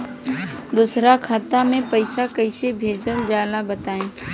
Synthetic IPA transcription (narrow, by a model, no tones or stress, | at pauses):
d̪usɾakʰaːt̪amẽpəɪsakəɪsebʱeːd͡ʒəld͡ʒaːlabət̪aːẽː